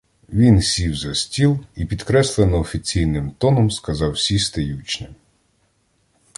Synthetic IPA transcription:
ʋʲinsʲiwzɐsʲtʲilˠipʲid̪kɾɛslˠenɔɔfʲit͡sʲijnɪmt̪ɔnɔmskɐzɑwsʲist̪ɐjut͡ʃnɪm

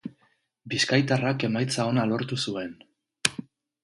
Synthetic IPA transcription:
biskajt̪arake̞majt͡sao̞nalo̞ɾt̪usue̞n

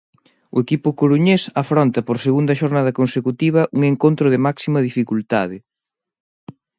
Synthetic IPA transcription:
ʊekipʊkoɾuɲesafɾont̪ɐpoɾseɣund̪ɐʃoɾnað̞ɐkonsekut̪iβ̞ɐʔuŋeŋkont̪ɾʊðɪmaksimɐðifikult̪aðɪ

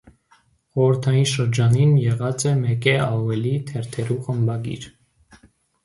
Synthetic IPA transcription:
χɔɾəɾt̪ʰɑjinʃəɾd͡ʒɑninjɛʁɑt͡sɛmɛkɛɑvɛlit̪ʰɛɾt̪ʰɛɾuχəmbɑɡḭɾ

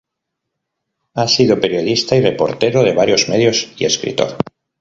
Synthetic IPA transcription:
asiðopeɾjoðist̪airepoɾt̪eɾoðeβ̞aɾjozmeð̞josḭeskɾḭt̪o̰ɾ

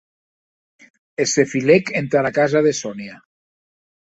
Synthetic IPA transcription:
esefilekent̪aɾakazaðesonia

